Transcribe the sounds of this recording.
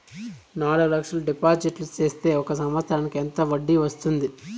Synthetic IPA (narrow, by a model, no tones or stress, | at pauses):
naːɽuɡulɐkʂɐlɐɖipaːɾd͡ʒiʈlut͡ʃe̞ːst̪e̞ːɔkɐs̬ɐmʋɐsʰɾaːnikent̪ɐʋɐɖːiʋɐst̪und̪i